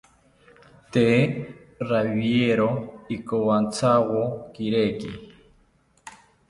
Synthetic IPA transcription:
t̪e | ɾaβieɾoikowant͡sʰawokiɾekḭ

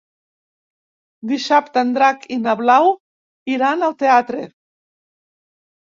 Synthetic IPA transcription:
d̪iʃapt̪and̪ɾakʰinaβlaw | iɾanalt̪eat̪ɾe

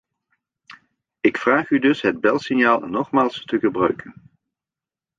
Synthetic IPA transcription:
ɪkfraːχydɵsɦəd̚bɛlˠsɪnjaːlˠnɔχmaːlˠstəχəbrœɥkʰən

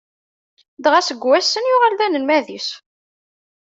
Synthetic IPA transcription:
d̪ʁæsəɡwæsːənjʊʁælðænəlmæðis

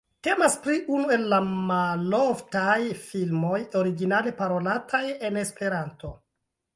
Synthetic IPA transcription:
te̞maspɾiʔunue̞lːamaloftajfilmo̞joɾiɡinale̞paɾo̞latʰaje̞ne̞spe̞ɾanto̞

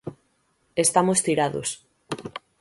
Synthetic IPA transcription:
est̪amost̪iɾaðo̰s

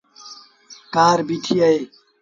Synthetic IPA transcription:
kaːɾbiʈʰiɐj

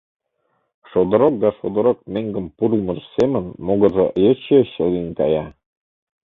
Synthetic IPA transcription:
ʃod̪ə̆ɾok̚d̪ɑʃod̪ə̆ɾok̚meŋɡə̆mpuɾulmə̆ʃsemə̆nmoɣɤ̆zɤʔjət͡ɕeɕə̆linkɑjɑ

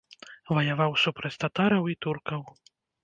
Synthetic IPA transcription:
vɐjavawsupɾɐt͡sʲt̪at̪aɾɐwit̪urkɐw

